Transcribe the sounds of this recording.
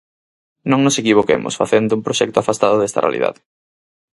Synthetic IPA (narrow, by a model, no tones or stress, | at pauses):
nõŋnosekiβ̞okḛmʊ̰sfaθend̪ʊumpɾoʃɛk̚t̪ʊafast̪að̞oðɛst̪ɐrḛa̰lḭða̰ðɪ